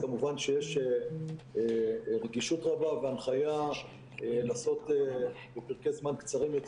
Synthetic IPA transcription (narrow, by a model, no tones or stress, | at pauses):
amuvanʃejeʃe | ʁeɡiʃut̪ʁabaveanχaja | elaso̞t̪e | bepiʁkezmankt͡saʁimjot